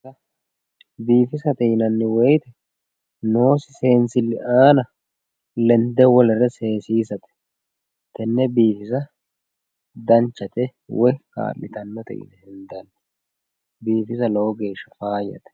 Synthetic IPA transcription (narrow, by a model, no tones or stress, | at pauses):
ɐ | biːfɪsɐt̪ɛjnɐnːɪwɛjt̪ɛ | no̞ːsɪse̞ːnsɪlːɪʔaːnɐ | lɛnd̪ɛwɔlɛrɛse̞ːsiːsɐt̪ɛ̥ | t̪ɛnːɛbiːfɪs̬ɐ | d̪ɐnt͡ʃːɐt̪ɛ | wʔɔjka̰ːlːɪt̪ɐnːɔt̪ɛ̰ʔɪ̰nɛhɪnd̪ɐnːɛ | biːfɪsɐlowːɡe̞ːʃːɐfaːjɐ̰t̪ɛ̥